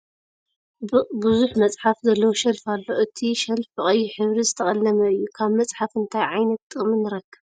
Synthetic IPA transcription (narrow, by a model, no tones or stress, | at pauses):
bɨzuħmɐt͡sʼħafzɐlːɐwoʃɐlfalːo̞ʔɨt̪ʰiʃɐlfɨχʼɐjːuħɨβɾizɨt̪ʰɐχʼɐlːɐmɐɨjːukʰaβmɐt͡sʼħafɨnt̪ʰajʕajnɐt̪ːʼɨχʼmɨnːɨɾɐkːɨβ